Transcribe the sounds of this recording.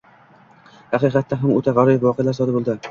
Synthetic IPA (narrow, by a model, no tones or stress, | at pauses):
hɑqɨqɑt̪ʰːaɦamot̪ʰaʁɑɾɒjɪwɒqʰejalasɒd̪abolˠd̪ɪ